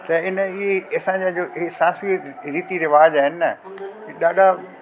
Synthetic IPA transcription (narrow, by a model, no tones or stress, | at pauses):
t̪ɐɪnəɪɦeɐsãːɲd͡ʑad͡ʑoːʔɦesãːsɡiɾiːt̪iɾɪʋaːd͡ʑaːɦɪnɪnɐ | ɗaːɗʱa